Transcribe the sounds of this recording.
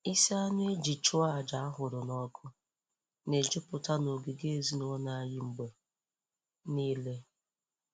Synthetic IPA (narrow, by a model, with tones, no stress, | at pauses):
i˦si˦a˦nʊ˦e˦d͡ʒi˨t͡ʃʊ˦a˨d͡ʒa˨a˦ɦʊ˨ɾʊ˨nɔ˦kʊ˦ | ne˨d͡ʒɪ˦pʊ˨ta˦no˨ɡi˨ɡe˦e˨zi˦nʊ˨ɔ˦na˨˦jɪ˦m̩˦ɡ͡bo˨ | niː˦le˦